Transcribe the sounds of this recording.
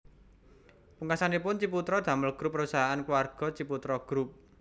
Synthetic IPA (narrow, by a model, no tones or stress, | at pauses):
puŋasanipʊnt͡ʃip̬ut̪ɾɔd̪̥a̤məlɡ̥ɾupːəɾusaɦaankwarɡ̥ɔ̤t͡ʃiput̪ɾɔɡ̥ɾup̚